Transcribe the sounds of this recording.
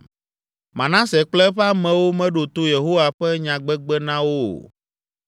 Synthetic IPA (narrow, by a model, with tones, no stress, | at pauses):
mã˨nã˦sɛ˨k͡plɛ˦ɸɛ˦a˦mɛ̃˨wo˦mɛ̃˦ɖo˨t̪o˦je˨ɦo˦wa˨ɸɛ˦ɲã˨ɡ͡bɛ˦ɡ͡bɛ˦nã˦wo˦˨